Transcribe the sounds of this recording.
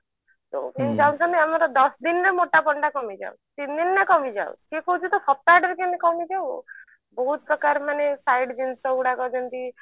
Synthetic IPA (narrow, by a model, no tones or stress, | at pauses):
t̪o̰mend͡ʒawnsɔneamaɾɔd̪ɔsd̪inɾemoʈapɔɳɖakɔmid͡ʒa̰wt̪ind̪inːekɔmid͡ʒa̰w̰kekɔɦut͡ʃʰit̪ɔpʰɔp̚ːaɖɾkenekɔmid͡ʒaw̰ | bɔɦut̪̚pɾɔkaɾmanesajɖd͡ʒinsɔuɽakɔd͡ʒɔnt̪i